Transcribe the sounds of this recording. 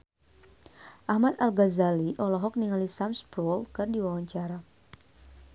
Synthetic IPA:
ʔahmat̪alɡazaliʔɔlɔɦɔk̚niŋalisamspɾɔlkɨrdiwawaɲt͡ʃaɾa

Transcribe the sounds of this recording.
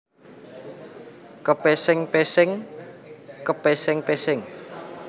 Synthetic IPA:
kəpesɪŋpesɪŋ | kəpesɪŋpesɪŋ

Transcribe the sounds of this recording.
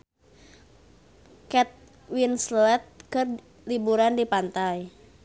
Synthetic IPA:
kɛt̪̚ | winslɛt̪̚kɨr | libuɾandipant̪aj

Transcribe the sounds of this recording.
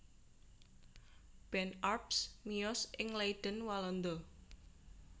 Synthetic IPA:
b̥ɛnarpsmiɔsɪŋleid̪̥ənwalɔnd̪ɔ

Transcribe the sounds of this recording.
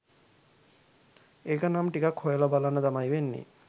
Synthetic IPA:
ekanamʈikakʰojelabalanad̪amajbenːḭ

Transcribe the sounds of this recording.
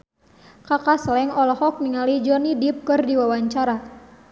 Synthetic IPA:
kakaslɛŋɔlɔhɔk̚niŋalid͡ʒɔnidip̚kɨrdiwawaɲt͡ʃaɾa

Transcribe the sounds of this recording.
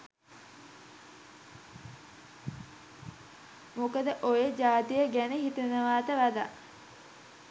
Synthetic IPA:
mokəd̪əʔojed͡ʒaːt̪ijəɡænəɦit̪ənəʋaːt̪əʋad̪a

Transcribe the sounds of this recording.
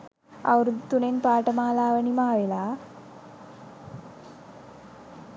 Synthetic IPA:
a̰wɾud̪ʱt̪ːunenpaːʈəmaːlaːʋənimaːʋelaː

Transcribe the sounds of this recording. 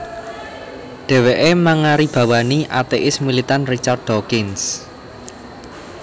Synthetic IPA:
ɖ̥ɛ̤weʔemaŋaɾib̥ä̤waniʔat̪eʔɪsmilit̪anrit͡ʃard̪ɔkɪns

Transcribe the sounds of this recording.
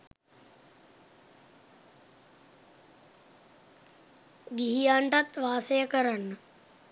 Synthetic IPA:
ɡiɦijaːɳʈat̪ʋaːsəjəkəɾanːə

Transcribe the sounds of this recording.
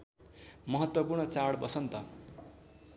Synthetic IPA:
mʌɦʌt̪wʌpurɳʌt͡saɽbʌsʌnt̪ʌ

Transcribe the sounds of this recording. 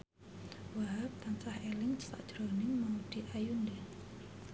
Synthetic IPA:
waɦap̚t̪ant͡ʃahelɪŋt͡ʃta̰ʔd̥ʒ̥ɾɔnɪŋmaud̥i̤ʔajundɛ

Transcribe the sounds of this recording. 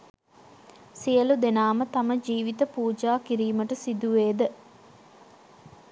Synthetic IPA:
sijəlud̪enaːmət̪ɐməd͡ʒiːʋit̪əpuːd͡ʒaːkiɾiːməʈəsid̪uʋeːd̪ə

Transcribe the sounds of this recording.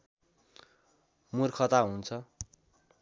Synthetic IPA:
murkʰʌt̪aɦunt͡sʰʌ

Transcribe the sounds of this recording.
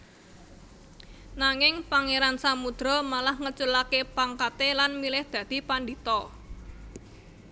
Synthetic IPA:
naŋɪŋpaŋeɾansamud̪̥ɾɔmalahŋət͡ʃulakepaŋkat̪elanmilɪhd̪̥ä̤d̪̥i̤pandit̪ɔ

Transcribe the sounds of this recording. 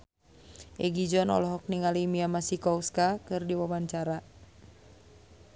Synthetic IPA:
ʔɛɡid͡ʒɔnɔ̰lɔɦɔk̚niŋalimiamasikɔuskakɨrdiwawaɲt͡ʃaɾa

